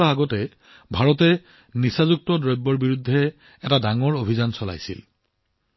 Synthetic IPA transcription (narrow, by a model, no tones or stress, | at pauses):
aaɡɔtɛ | bʱaɹɔtɛ | nisazuk̚tɔdɹɔjbːɔɹbiɹudʱːɛ | ɛtadaŋɔɹobʱizansɔla̰jsḭl